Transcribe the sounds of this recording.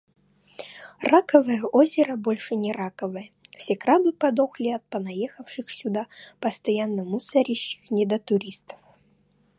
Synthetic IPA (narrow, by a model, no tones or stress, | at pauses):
rakəvɨjəʔozʲɪɾəbolʲʂɨnʲɪɾakəvɨjəfsʲekɾab̪ɨpɐd̪oxlʲɪɐt̪̚pənɐjexəfʂɨxsʲʊd̪apəst̪ɐjanːəmusɐɾʲɪɕːɪ̥xnʲɪd̪ət̪ʊɾʲist̪ə̥f